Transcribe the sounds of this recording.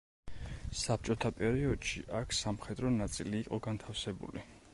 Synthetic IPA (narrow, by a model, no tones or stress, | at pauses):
sap̚ʰt͡ʃʼɔt̪ʰapʼɛɾiɔd̪̥ʃiʔakʰsamχɛd̪ɾɔnat̪sʼiliːqʼɔɡant̪ʰafsɛbṵli